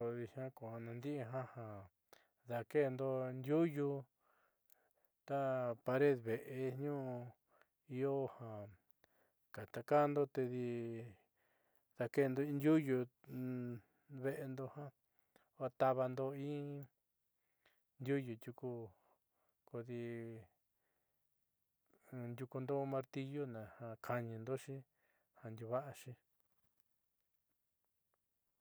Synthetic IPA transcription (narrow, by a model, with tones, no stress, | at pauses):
o˧ði˧hã˦ko˨ha˧nã˧nd̪i˦ʔɦã˦hã˨ | ða˧ke˦˨nd̪o˧nd̪ʲju˦ju˧ | t̪a˦pa˧ɾe˦ðβe˨ʔe˧ɲũ˦˧ | i˧o˦hã˨ | ka˨t̪a˧ka˦˧nd̪o˦t̪e˧ði˧ | ða˧ke˦˨˧nd̪o˧ĩ˦nd̪ʲju˦ju˧ | βe˦ʔe˧nd̪o˧hã˦˧ | a˧t̪a˧βa˧nd̪o˧ĩ˦ | nd̪ʲu˦ju˨d̪ʲju˧ku˧ | ko˧ði˧ | nd̪ʲu˧ku˧nd̪o˦mã˧ɾt̪i˧jo˦nã˨hã˧kʰa˧ɲĩ˧nd̪o˦ʃĩ˦ | hã˧nd̪ʲu˧βa˦ʔa˧ʃĩ˧